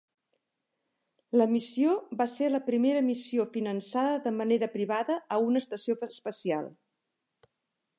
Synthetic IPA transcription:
ləmisioβaseləpɾimeɾəmisiofinənsaðəðəməneɾəpɾiβaðəəunəːst̪əsiospəsia̰lˠ

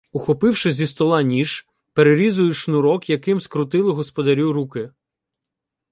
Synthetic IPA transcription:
ʊxɔpɪwʃɪzʲist̪ɔlˠɑnʲiʃ | peɾeɾʲizʊjʊʃnʊɾɔkjɐkɪmskɾʊt̪ɪlˠɪɦɔspɔd̪ɐɾʲuɾukɪ

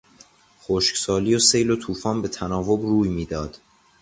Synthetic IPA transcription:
xoʃcsɒːliːose̞jlot̪ʰuːfɒːnbe̞t̪ʰænɒːvo̞bruːjmiːd̪ɒːd̪̥

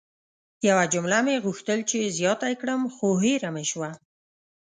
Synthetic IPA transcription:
jawad͡ʒʊmlameɣuxt̪əlt͡ʃezjɑt̪akɽəmxoɦeɾameʃwa

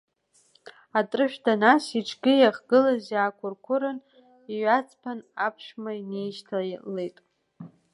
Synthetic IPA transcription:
atʼrɨʃᶣdanasiʈ͡ʂʰɡʲɪjaχɡɨlazakʷʰʊrkʷʰʊɾɨn | iɥat͡sʰʼpʰanapʰʂmaine̞jʃtʰalːe̞jtʼ

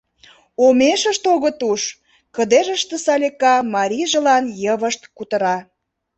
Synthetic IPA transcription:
omeʃəʃt̪oɣət̪uʃ | kəd̪eʒəʃt̪əsɑlʲekɑmɑɾʲiʒə̆lɑnjəβəʃt̪kut̪ə̆ɾɑ

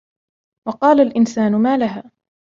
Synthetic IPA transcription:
wɑqɑːlalʔɪnsaːnʊmaːlaɦaː

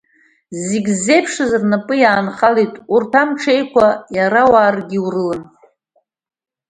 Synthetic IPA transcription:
ziɡʲzːe̞jpʰʂɨzrnapʼɨjaːnχalitʼurtʰamʈ͡ʂʰejkʷʰajaɾawaːrɡʲiwrɨlɨn

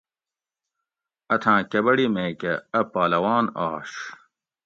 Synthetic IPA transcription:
ɐt̪ʰãːkɐbɐɽimeːkɐɐpaːlɐwaːnaːʂ

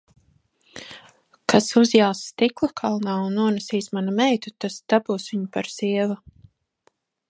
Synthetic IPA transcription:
kasuzjalsːt̪iklˠakʰalˠnaːunːuɔnɛsiːsmanamɛjt̪ut̪asd̪̥abuːsviɲupaɾsiɛva

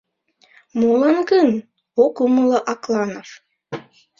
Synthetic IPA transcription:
molˠɑnkən | okumɤlˠɤʔɑklˠɑnof

